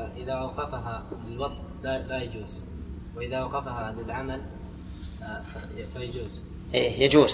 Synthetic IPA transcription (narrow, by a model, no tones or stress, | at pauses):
aʔɪðaʔawqɑfaɦalɪlwɑd̪ˤʔlalajad͡ʒuːz̥ | wɪʔɪðaʔwaqɑfaɦaʕɪnd̪ɪlʕamal | afafajad͡ʒuːz | ʔeːjad͡ʒuːz